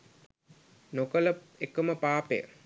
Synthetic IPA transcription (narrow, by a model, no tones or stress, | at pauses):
nokələ | ekəməpaːpḛjə̰